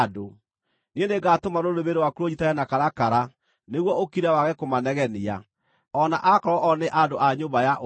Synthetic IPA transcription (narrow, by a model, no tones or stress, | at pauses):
do | nieneɡatomaɾodeβeɾewakuɾoɲitajanakaɾakaɾa | neɣwɔokiɾawaɣɛkomanɛɣɛnia | ɔnaʔakɔɾɔʔɔneʔadoaɲoːmbajaʔ